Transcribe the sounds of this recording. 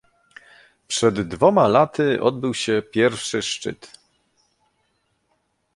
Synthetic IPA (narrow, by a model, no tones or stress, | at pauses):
pʂɛd̪ːvɔmalat̪ɘʔɔ̰d̪̚bɘwɕɛpʲjɛɾfʂɘʂt͡ʂɘ̰t̪